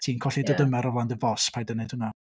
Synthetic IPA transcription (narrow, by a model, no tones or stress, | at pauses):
tʰiːnkʰɔɬidɔdəmɛɾɔvlˠandəvɔspʰajdəned̥hʊna